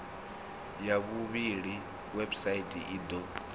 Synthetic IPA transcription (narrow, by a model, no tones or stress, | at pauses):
jaβuβiɺi | wɛbsaitʼḭʔiːd̪ɔ